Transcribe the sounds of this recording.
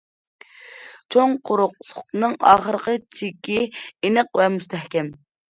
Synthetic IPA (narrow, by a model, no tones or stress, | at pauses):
t͡ʃʰoŋqʰʊɾʊqlˠʊqnɨŋɑːχəɾəqət͡ʃʰikʲienəq̚vɛmust̪ʰɛhkʲɛm